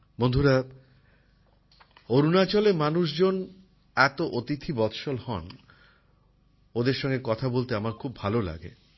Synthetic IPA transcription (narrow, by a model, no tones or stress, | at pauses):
bond̪ʱuɾa | oɾunat͡ɕolemanuʃd͡ʑon | ɛt̪oʔot̪it̪ʰibɔt̪ʰʃolhɔn | od̪eɾʃɔŋɡekɔt̪ʰabolt̪eamaɾkʰubbʱalola̰ɡḛ